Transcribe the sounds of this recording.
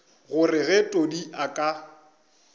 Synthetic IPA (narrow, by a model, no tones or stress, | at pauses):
ɣʊrɪɣɛtʼodiakʼa